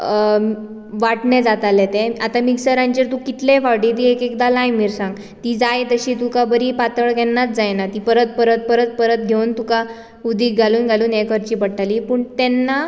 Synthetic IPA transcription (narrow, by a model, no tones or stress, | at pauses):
ʋaʈnɛ̃d͡zat̪alet̪ẽat̪amiksəɾãɲt͡ɕeɾt̪ũkit̪lefaʋʈiːʈ̪̬iekekd̪alajmiɾsãŋɡ | t̪id͡zajt̪əɕiːt̪ũkabəɾipat̪əɭɡɛnːat͡s̪d͡zajnat̪ipəɾət̪̚pəɾət̪̚pəɾət̪̚pəɾət̪̚ɡʱeunt̪uka | ud̪iːɡʱaluːnɡʱaluːnekəɾt͡ɕiːpəɽʈalipuːɳt̪ɛnːa